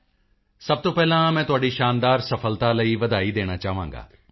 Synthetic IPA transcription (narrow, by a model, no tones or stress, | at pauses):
sɐb̚t̪opɛɦlãmɛ̃ːt̪ʊɦaːɽiʃaːnd̪aːɾsɐfəlt̪alɐiʋɐd̪aːid̪eːɽ̃at͡ʃaːʋãːŋɡa̰ː